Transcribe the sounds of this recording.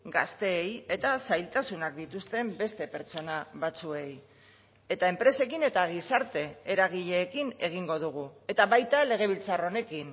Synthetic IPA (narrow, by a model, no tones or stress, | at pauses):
ɡast̪e̞ːje̞t̪asajlt̪asunak̚d̪it̪ust̪e̞mbe̞st̪e̞pe̞ɾt͡so̞naβat͡sue̞j | e̞t̪ae̞mpɾe̞se̞kine̞t̪aɣ̞isaɾt̪e̞eɾaɣiʎe̞ːkine̞ɣ̞iŋɡo̞ðuɣ̞ue̞t̪aβajt̪ale̞ɣ̞e̞β̞ilt͡saro̞ne̞kin